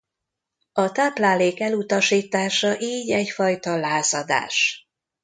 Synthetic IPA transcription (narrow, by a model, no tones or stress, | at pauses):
ɒt̪aːplaːleːkɛlut̪ɒʃiːt̪aːʃɒʔiːɟɛɟfɒjt̪ɒlaːzɒd̪a̰ːʃ